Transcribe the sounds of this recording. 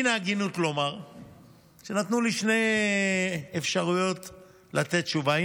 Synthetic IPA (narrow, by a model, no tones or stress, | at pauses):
naːɡinutlo̞maʁ | ʃenat̪nuliʃne̞j | efʃaʁujo̞t | late̞tt͡ʃuva